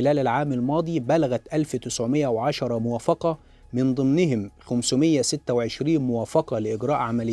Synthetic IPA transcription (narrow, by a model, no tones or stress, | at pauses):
ɪlæːlalʕaːmalmɑːd̪ˤiːbælaɣæt̪ʔælft̪ɪsʕʊmɪjːæwʕɑʃɑɾˤɑmʊwæːfɑqɑ | mɪnd̪ˤɨmnɪhɪmxæmsʊmɪjːæsɪt̪ːæwʕɪʃɾiːnmʊwæːfɑqɑlɪʔɪɡɾˤɑːʔʕamælɪ